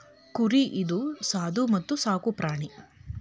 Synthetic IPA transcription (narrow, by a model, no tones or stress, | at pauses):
kuɾiʔid̪usaːd̪umɐt̪ːusaːkupɾaːɳi